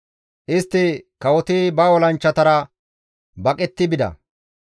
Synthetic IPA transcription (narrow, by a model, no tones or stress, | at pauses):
ʔɪst̪ːɪkɐwɔt̪ibɐwɔlɐnt͡ʃːɐt̪ɐɾɐ | bɐkʼɛt̪ːɪbɪd̪ɐ̰